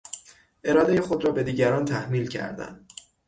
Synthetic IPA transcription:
ʔe̞ɾɒːd̪e̞jexo̞d̪ɾɒːbe̞d̪iːɟæɾɒːnt̪ʰæhmiːlcʰæ̰ɾd̪æ̰n

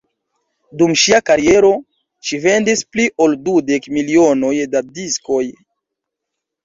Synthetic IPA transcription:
dumʃiakaɾie̞ɾo̞ | ʃive̞ndispliʔo̞ldude̞kmilio̞no̞jdadisko̞j

